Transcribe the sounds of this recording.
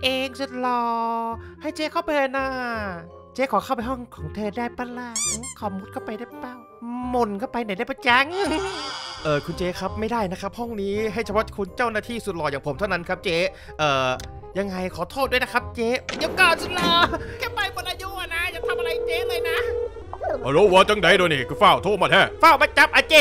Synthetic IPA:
ʔeː˧ŋsu˨˧t̪̚lɔː˧˩ha˥˩jt͡ɕeː˦˥kʰa˥˩wpaː˧˨˧naː˧˩ | t͡ɕeː˦˥kʰɔː˨˩˦kʰa˥˩wpa˧jɦhɔ˥˩ŋkʰɔː˨˩˦ŋt̪ʰɤː˧daː˥˩jpa˧laː˧˩ŋkʰɔː˨˩mu˦˥t̪̚kʰa˥˩wpa˧jda˥˩paː˧˩w | mo˧˩nkʰa˥˩wpa˧jna˨˦jda˥˩jbʰa˧˦t͡ɕɛ˧˥ŋ˧ʔɤː˨˩kʰu˧nt͡ɕeː˦˥kʰa˦˥p̚ma˥˩jdaː˥˩jna˦˥kʰa˦˥p̚hɔ˥˩ŋniː˦˥ɦa˥˩jt͡ɕʰpʰɔ˦˥kʰu˧nt͡ɕa˥˩wnaː˥˩t̪ʰiː˥˩su˨˩t̪̚lɔː˧˩jaː˨˩ŋpʰo˩˦mt̪ʰa˥˩na˦˥nkʰa˦˥p̚t͡ɕeː˦˥ | ʔɤː˨˩ | ja˧ŋːa˧jkʰɔː˨˩˦t̪ʰoː˥˩t̪̚du˥˩˨jna˦˥kʰa˦˥p̚t͡ɕeː˦˥˧ju˦˧˥kɔː˨˩nsu˨˧˩lɔː˧˩kʰɛː˥˩pa˧jmo˨nʔaː˧ju˦˧˥ʔa˨˧˨na˦˥jaː˨˩k̚t̪ʰa˧mʔa˧ɾa˧jt͡ɕeː˦˥lɤː˧jna˦˥ | a˧˩ɾo˦˥˩wɔː˧˦t͡ɕa˧˦ŋda˨˦jdoː˧ni˨˧˩kʰɯː˧faː˥˩wt̪ʰoː˥˩maː˧˩t̪ʰɛː˧˥˩faː˥˩wmaː˧˥t͡ɕa˨˦˥p̚ʔaː˧˩t͡ɕeː˧˩

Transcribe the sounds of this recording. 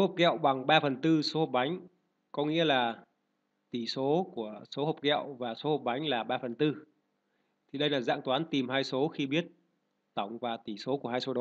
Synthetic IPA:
so˨˦ho˨˩k͡p̚kɛ̰˧˨wɓa˨˩ŋɓaː˧fə˨˩nt̪ɨ˧so˨˦ho˨˩k͡p̚ɓa˨˦jŋ̟ | kɔ˨˦ŋḭ˧˥əlaː˨˩ | t̪i˧˩so˨˦ku˧˩əso˨˦ho˨˩k͡p̚kɛ̰˧˨wvaː˨˩so˨˦ho˨˩k͡p̚ɓa˨˦jŋ̟laː˨˩ɓaː˧fə˨˩nt̪ɨ˧ | t̪ʰi˨˩ɗə˧jlaː˨˩za̰ː˧˨ŋt̪waː˨˦nt̪i˨˩mhaː˧jso˨˦xi˧ɓi˦˥ət̚ | t̪a˧˩wŋ͡mkwaː˧˩t̪i˧˩so˨˦ku˧˩haː˧jso˨˦ɗo˨˦

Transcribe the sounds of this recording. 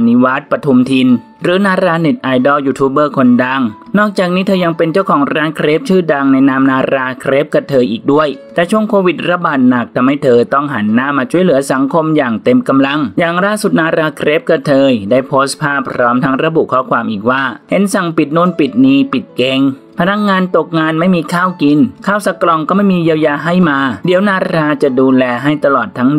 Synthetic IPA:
ni˦˥waː˦˥t̪̚pɾa˧t̪ʰu˧mt̪ʰi˧n | ɾɯː˩˦naː˧ɾaː˧ne˨˩t̪̚ʔaː˧jdɔː˧˩juː˧t̪ʰuː˦˥bɤː˥˩kʰo˧nda˧˩ŋnɔː˥˩k̚t͡ɕaː˨˩k̚niː˦˥t̪ʰɤː˧ja˧ŋpe˧nt͡ɕa˥˩wkʰɔː˩˦ŋɾaː˧˥nkʰɾeː˦˥p̚t͡ɕʰɯː˥˩da˧ŋna˧jnaː˧˥mnaː˧ɾaː˧kʰɾeː˦˥p̚ka˧˩t̪ʰɤː˧jʔiː˨˩k̚du˥˩əjt̪ɛː˨˩t͡ɕʰu˥˩əŋkʰoː˧wi˨˩t̪̚ɾa˧baː˨˩t̪̚na˨˩k̚t̪ʰa˧mha˥˩jt̪ʰɤː˧t̪ɔ˥˩ŋɦa˩˦nːaː˥˨mːaː˧t͡ɕʰu˥˩əjlɯ˩˦ɐsa˩˦ŋkʰo˧mjaː˨˩ŋt̪e˧mka˧mla˧ŋjaː˨˩ŋlaː˥˩su˨˩t̪̚naː˧ɾaː˧kʰɾe˦˥p̚ka˧t̪ʰɤː˧jdaː˥˩jpʰoː˦˥spʰaː˥˩pʰːɾɔː˦˥mt̪ʰa˦˥ŋɾa˧bu˨˩kʰɔː˧˩kʰwaː˧mʔiː˨˩k̚waː˥˩he˨˦nsa˨˩ŋpi˨˩t̪̚nu˥˩ə˨npi˨˩t̪̚niː˧pi˨˩t̪̚ke˧ŋ | pʰa˧na˧kŋaː˧nt̪o˨˩k̚ŋaː˧nma˥˩jmiː˧kʰaː˥˩wki˧nkʰaː˥˩wsa˧klɔ˧ŋkɔː˥˩ma˥˩jmiː˧ji˧wjaː˧ɦa˥˩jmaː˧di˩˦wnaː˧ɾaː˧t͡ɕa˨˩duː˧lɛː˧ɦa˥˩jt̪a˧lɔː˨˩t̪ʰːa˦˥ŋ

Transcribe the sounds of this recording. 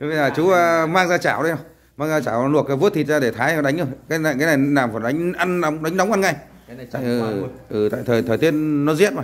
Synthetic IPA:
ɓe˧zaː˨˩t͡ɕu˨˦ə˧maː˧ŋzaː˧t͡ɕaː˧˩wɗə˨˧˦hə˧˩ | maː˧ŋzaː˧t͡ɕaː˧˩wlu˨˩ək̚vu˦˥t̪ʰi˨˩t̚zaː˧ɗe˧˩t̪ʰaː˨˦jɗa˨˦ŋ̟ə˧˩kaː˨˦jna˨kaː˨˦jna˨˩jnaː˨˩mfaː˨˩nɗa˨˦ŋ̟ʔa˧nɗə˨˦wŋ͡mɗa˨˦jŋ̟ɗə˨˦wŋ͡mʔa˧nŋa˧˩j | t̪a̰ː˧˨ʔʔɨ˨˩t̪a̰ː˧˨t̪ʰəː˨˩t̪ʰəː˨˩t̪i˧˥ənnɔ˨˦zḭ˦˥ət̚maː˨˩j

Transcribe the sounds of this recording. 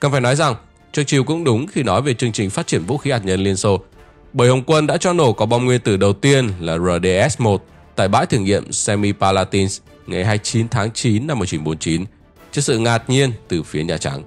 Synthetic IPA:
kə˧˩faː˧˩jnɔ˨˦jza˨˩ŋ | t͡ɕɨ˨˩əŋ̚t͡ɕi˨˩əwkʊ̰˧˥ŋ͡mɗʊ˨˦ŋ͡mxi˧nɔ˨˦jve˨˩t͡ɕɨ˧əŋt͡ɕï˨˩ŋ̟faː˦˥t̚t͡ɕi˧˩ənvṵ˧˥xi˨˦haː˨˩t̚ɲə˧nli˧ənso˧ | ɓəː˨˩jhə˨˩wŋ͡mkwə˧nɗa̰ː˧˥t͡ɕɔ˧no˧˩kɔ˨˦ɓa˧wŋ͡mŋwi˧ənt̪ɨ˨˩ɗə˨˩wt̪i˧ənlaː˨˩zəː˨˩ɗe˧ʔɛ˦˥smo˨˩t̚ | t̪a̰ː˧˨jɓa̰ː˧˥jt̪ʰɨ˧˩əŋḭ˧˨əmsɛ˧mi˧paː˧laː˧t̪i˧ns | ŋa˨˩jɦaː˧jt͡ɕi˨˦nt̪ʰaː˨˦ŋt͡ɕi˨˦nːa˧mːu˨˩ət͡ɕi˨˦nɓo˨˦nt͡ɕi˨˦n | t͡ɕɨ˧˥k̚sɨ̰˧˨ŋaː˨˩t̚ɲi˧ənt̪ɨ˨˩fi˨˦əɲaː˨˩t͡ɕa̰˨˦ŋ

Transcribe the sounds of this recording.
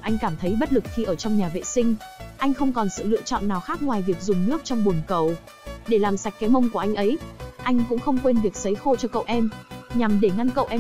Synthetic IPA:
ʔa˧jŋ̟kaː˧˩mt̪ʰə˨˦jɓə˦˥t̚lɨ˨˩k̚xi˧ʔəː˧˩t͡ɕɔ˧wŋ͡mɲaː˨˩vḛ˧˨sï˧ŋ̟ʔa˧jŋ̟xə˧wŋ͡mkɔ˨˩nsɨ̰˧˨lɨ̰˧˨ət͡ɕɔ̰˧˨nːaː˨˩wxaː˦˥k̚ŋwaː˨˩jvi˨˩ək̚zʊ˨˩ŋ͡mnɨ˦˥ək̚t͡ɕɔ˧wŋ͡mɓu˨˩nkə˨˩w | ɗe˧˩laː˨˩msa˨˩jk̟̚ka˨˦jmə˧wŋ͡mku˧˩əʔa˧jŋ̟ʔə˨˦jʔa˧jŋ̟kʊ̰˧˥ŋ͡mxə˧wŋ͡mkwe˧nvi˨˩ək̚sə˨˦jxo˧t͡ɕɔ˧kə̰˧˨wʔɛ˧mɲa˨˩mɗe˧˩ŋa˧nkə̰˧˨wʔɛ˧

